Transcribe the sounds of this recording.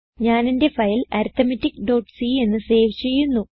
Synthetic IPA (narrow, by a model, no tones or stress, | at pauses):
ɲaːninde̞fɐjlɐ̰ɾt̪ːɐmɐtːikːɖo̞ːʈsie̞nːɨse̞ːʋt͡ɕe̞jːunːu